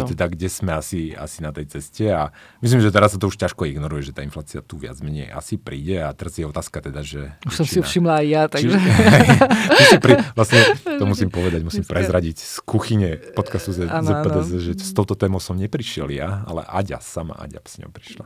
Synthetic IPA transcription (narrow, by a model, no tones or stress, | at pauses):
t̪ɛd̪aɡɟɛsmɛasia̰sinat̪ɛjt͡sɛscɛamis̬limʒɛt̪ɛɾasːat̪ɔuʃcaʃkɔiɡnɔɾujɛʒɛt̪aːinflaːt͡siat̪uʋɪa̰d͡zmɛɲɛ̰ja̰sipɾiːɟɛat̪ɛɾazjɛɔt̪aːskat̪ɛd̪aʒɛusɔmsifʃimlaːjjat̪aʒɛɦɛmusimpɾiʋlasɲɛt̪ɔmusimpɔʋɛd̪aɟmusiːmpɾɛzɾaɟicskuxiɲɛpɔt̪kast̪uzɛzɛɛd̪ɛzɛʒɛst̪ɔʊt̪ɔt̪ɛːmɔʊsɔmɲɛpɾiʃɪɛljaa̰lɛ̰ʔaɟa̰sama̰ʔa̰ɟa̰bsɲɔ̰pɾiʃla